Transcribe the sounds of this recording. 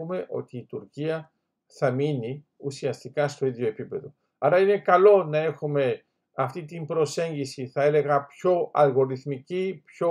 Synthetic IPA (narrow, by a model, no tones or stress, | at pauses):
ume̞ʔo̞̰t̪iːt̪uɾciɐ | θɐmini | usiɐst̪ikɐst̪o̞iðʝo̞e̞pipe̞ðo̞ | ɐɾɐine̞kɐlo̞nɐe̞xume̞ | ɐft̪it̪imbɾo̞se̞ɲɟisiθɐe̞le̞ɣɐpço̞ɐ̰lɣo̞ɾiθmicipço